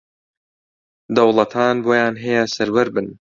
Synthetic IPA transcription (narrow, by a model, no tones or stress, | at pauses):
d̪ɐwlˠɐt̪ʰaːnboːjaːnɦɐjɛsɐɾwɐɾbɨn